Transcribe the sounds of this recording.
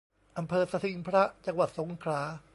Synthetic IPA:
ʔa˧mpʰɤː˧sa˧t̪ʰi˧ŋpʰɾa˦˥t͡ɕa˧ŋwa˨˩t̪̚so˩˦ŋkʰɾaː˩˦˥

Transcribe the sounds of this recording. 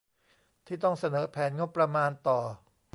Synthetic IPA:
t̪ʰiː˥˩t̪ɔ˥˩ŋsa˧nɤː˩˦pʰɛː˩˦nŋo˦˥pːɾa˧maː˧nt̪ɔː˨˩

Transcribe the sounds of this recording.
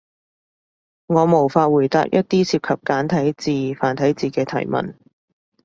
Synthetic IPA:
ŋɔː˨˧mo˨˩wfaː˧t̚wuː˨˩jt̪a̰ː˧˥k̚jɐ˥t̚t̪iː˥siː˧p̚kʰɐ˨p̚kaː˨˥nt̪ʰɐ˨˥jt͡siː˨faː˨˩nt̪ʰɐ˨˥jt͡siː˨kɛː˧t̪ʰɐ˨˩jmɐ̰˨n

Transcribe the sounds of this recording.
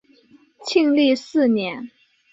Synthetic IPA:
t͡ɕʰi˥˧ŋli˥˧sɹ̩˥˩njɛ˧˥n

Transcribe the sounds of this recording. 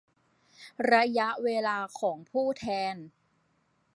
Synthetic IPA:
ɾa˧ja˦˥ʔweː˧laː˧kʰɔː˩˦ŋpʰuː˥˩t̪ʰɛː˧n

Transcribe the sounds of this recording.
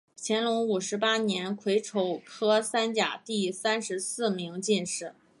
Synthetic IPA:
t͡ɕʰjɛ˧˥nlʊ˧˥ŋu˨˩ʂɻ̩˧˥pa˥njɛ˧˥nkʰwe˧˥ɪʈ͡ʂʰo˧˥ʊkʰɤ˥sa˥nt͡ɕja̰˨˩t̪i˥˩sa˥nʂɻ̩˧˥sɹ̩˥˩mi˧˥ŋt͡ɕi˥˧nʂɻ̩˥˩

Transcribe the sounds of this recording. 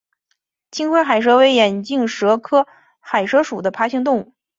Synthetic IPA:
t͡ɕʰi˥ŋxwe˥xa˨˩ɪʂ̬ɤ˧˥we˧˥ɪjɛ˨˩nt͡ɕi˥˩ŋʂɤ˧˥kʰɤ˥ | xa˨˩ɪʂɤ˥ʂu˨˩d̪ə˦pʰa˧˥ɕi˥ŋt̪ʊ˥˧ŋu˥˩

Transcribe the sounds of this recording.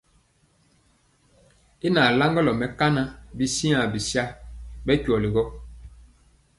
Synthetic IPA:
i˦na˨la˦ŋɡɔ˦lɔ˨mɛ˨ka˦na˦bi˦si˦ã˨bi˨sa˦bɛ˦cu˨ɔ˨li˨ɡɔ˦

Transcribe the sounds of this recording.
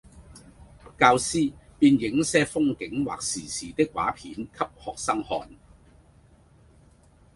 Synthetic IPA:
kaː˧wsiː˥piː˧njɪ˨˥ŋsɛː˥fʊ˥ŋkɪ˨˥ŋwa̰ː˨k̚siː˨˩siː˨˩t̪ɪ˥k̚ːwa̰ː˨˥pʰiː˨˥nkʰɐ˥p̚hɔː˨k̚sɐ˥ŋhɔ̰ː˧n

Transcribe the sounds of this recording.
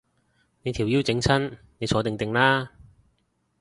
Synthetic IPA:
ne˨˧jt̪ʰiː˨˩wjiː˥wt͡sɪ˨˥ŋt͡sʰɐ˥n | ne˨˧jt͡sʰɔː˨˥t̪ɪ˨˩ŋt̪ɪ˨ŋlaː˥

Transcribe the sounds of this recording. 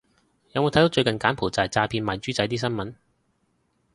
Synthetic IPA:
jɐ˨˧mo˨˧t̪ʰjt̪ːt͡ʃɵ˧ɥkɐ˨nkaː˨˥npʰo˨˩t͡sɐ˨˩t͡saː˧pʰiː˧nmaː˨˩t͡ʃyː˥t͡sɐ˨˥jt̪iː˥sɐ˥nmɐ˨˥n

